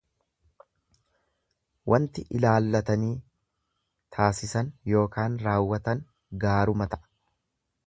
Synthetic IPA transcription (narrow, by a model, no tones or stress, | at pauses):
wʔɐnt̪ɪʔɪlaːlːɐt̪ɐniː | t̪ʰaːsɪsɐnjo̞ːkaːnɾaːwːɐt̪ɐn | ɡaːɾʊmɐt̪ɐ̥ʔ